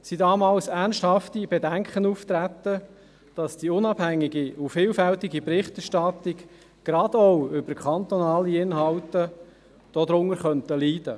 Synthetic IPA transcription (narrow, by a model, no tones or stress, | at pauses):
sidɑːmɑːlsænsthɑftibedæŋkχənuːft̪ɾæt̪ə | d̥ɑsd̥iʊnɑb̥hæŋːɪɡiufɪːlfæltiɡipɾɪχtɛɾʃtɑt̪ɪk | ɡ̥ɾɑd̪ɔwʏbəkʰχɑnt̪ɔnɑːliɪnɦɑltə | d̥ɔd̪ɾʊŋəɾχœntəliːdə